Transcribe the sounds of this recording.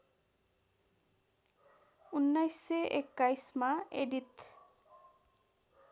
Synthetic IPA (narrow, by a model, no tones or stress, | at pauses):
unːajseʔekːajsmaeɖit̪